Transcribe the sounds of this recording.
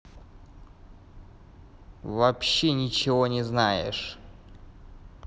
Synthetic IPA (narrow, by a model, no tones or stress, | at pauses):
vɐpɕːenʲɪt͡ɕɪvonʲɪznajɪ̰ʂ